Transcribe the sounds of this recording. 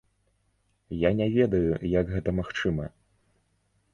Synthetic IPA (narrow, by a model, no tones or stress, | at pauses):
janʲɛvʲɛd̪ɐjujɐɡɣɛt̪ɐmaxt͡ʂɨmɐ